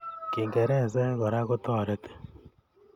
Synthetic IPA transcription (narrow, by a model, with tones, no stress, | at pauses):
ki˨ŋɡe˨ɾɛ˦˨sɛ˦ɣo˨ɾa˦ɣo˦tɔː˦˨ɾe˦te̥˦˨